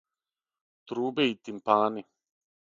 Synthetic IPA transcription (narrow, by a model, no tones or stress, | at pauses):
t̪ɾuːbeit̪impaːni